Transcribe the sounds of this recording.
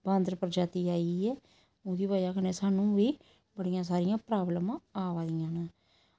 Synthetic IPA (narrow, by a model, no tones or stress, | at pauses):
bãːnd̪ɾpəɾd͡ʒaːt̪iːaːiɛː | oːd̪iːbaːd͡ʒaːkəneːsaːnũːʋiː | bəɽɪjãːs̬aːɾɪjãːpɾaːbləmãːaːʋaːd̪ɪjãːnaː